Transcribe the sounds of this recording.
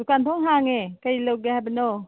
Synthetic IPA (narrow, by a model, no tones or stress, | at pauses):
ukantʰɔŋɦaŋekajlowɡehajbɐnɔ